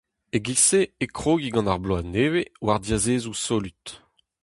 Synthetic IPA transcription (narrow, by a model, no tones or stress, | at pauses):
eɡiseekχoːɡiɡɑ̃naʁbloaneːwewaʁdjazeːzusolyt̪